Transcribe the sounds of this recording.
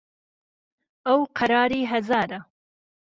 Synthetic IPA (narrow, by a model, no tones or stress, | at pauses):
awqʰaɾɑːɾiɦazɑɾa